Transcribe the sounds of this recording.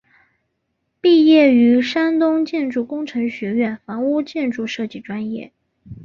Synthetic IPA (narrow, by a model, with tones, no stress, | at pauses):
pi˥˧jɛ˥˩y˧˥ʂa˥nt̪ʊ˥ŋt͡ɕjɛ˥˧nʈ͡ʂu˥˩kʊ˥ŋʈ͡ʂʰɤ˧˥ŋɕɥɛ˧˥ɥɛ˥˩nfɑ˧˥ŋu˥t͡ɕjɛ˥˧nʈ͡ʂu˥˧ʂɤ˥˧t͡ɕi˥˩ʈ͡ʂwa˥njɛ̰˥˩